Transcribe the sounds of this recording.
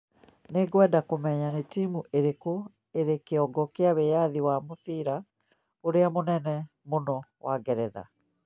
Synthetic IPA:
neɡwɛːdakomɛɲanetiːmuʔeɾeko | eɾekeɔɡɔkeaβejaðiwamoθiɾa | oɾeamonɛnɛ | monɔwaɡɛɾɛða̰

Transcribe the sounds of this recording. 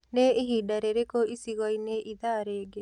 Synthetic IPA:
neiɦidaɾeɾekoisiɣɔjneʔid̪aɾeɡe

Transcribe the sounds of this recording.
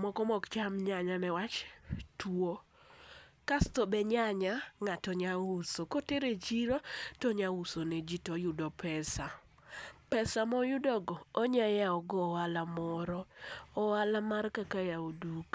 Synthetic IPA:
mɔkɔmɔkt͡ʃamɲaɲanɛwat͡ʃtwo | kastɔbɛɲaɲaŋatɔɲausokoteɾet͡ʃiɾotɔɲausoned͡ʒitɔjʊdɔpɛsa | pɛsamɔjʊdɔɡɔːɲajaɔɡɔwalamɔɾɔɔwalamarkakajaoduk

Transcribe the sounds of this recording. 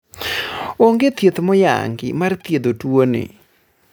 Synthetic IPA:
oŋɡet̪jet̪mɔja̰ŋɡɪ̰mart̪jed̪otwonḛ

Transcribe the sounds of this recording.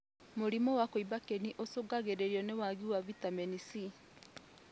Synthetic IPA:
moɾimɔwakoibakeniʔosoɡaɣeɾeɾjɔnewaɣiwavitamɛnisi

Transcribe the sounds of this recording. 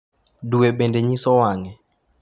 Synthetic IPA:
duebendeɲisɔwaŋɛ

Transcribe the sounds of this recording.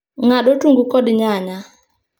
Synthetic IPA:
ŋaɗotuŋɡukɔdɲaɲa

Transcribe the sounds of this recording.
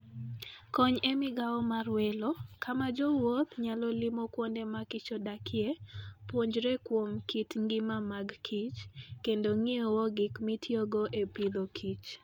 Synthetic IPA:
kɔɲemɪɡaɔmarwɛlokamad͡ʒɔwot̪ɲalɔlɪmokwondemakɪt͡ʃɔdakʰɪepwoɲd͡ʒɾɛkwomkitŋɡɪmamaɡkʰit͡ʃkendoŋiowoɡɪkmɪtʰjoɡoʔepid̪okʰit͡ʃ

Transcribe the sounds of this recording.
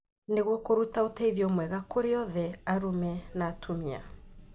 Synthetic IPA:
neɣwɔkoɾutaotaiðjɔmwɛɣakoɾeɔðɛaɾumɛnaːtʰomia̰

